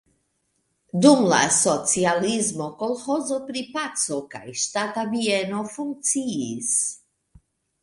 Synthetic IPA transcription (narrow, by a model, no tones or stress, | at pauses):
d̪umla̰sot͡sializmokolxɔzopɾipasoka̰jʃt̪at̪aviɛnofuŋk̚t̪t͡siis